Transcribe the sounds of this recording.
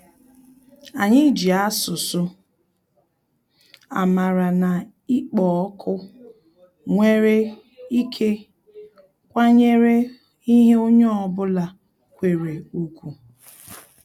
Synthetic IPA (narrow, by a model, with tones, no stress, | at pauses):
a˨ɲɪ˦d͡ʒi˨a˦sʊ˨sʊ˦ | a̰˨ma˨ɾa˨na˨ | i˦k͡pɔ˨ɔ˦kʰʊ˦ | ŋʷe˦ɾe˦ | i˦kʰe˦ | kʷa˦ɲe˦ɾe˦ | i˦ɦe˦o˦ɲɔ˦ɔ˦˨bʊ˦la˨ | kʷe˨ɾe˨u˦kʷu˨